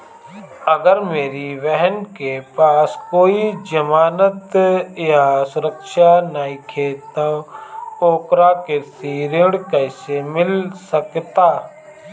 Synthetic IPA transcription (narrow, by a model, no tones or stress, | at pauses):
əɡəɾmeːɾiʋɛɦənkepaːskoːid͡ʒəmaːnət̪jasʊɾəkʃanaikʰeːt̪ə̃ | oːkɾakesiɾɪɽkəɪsemɪlsəkt̪aː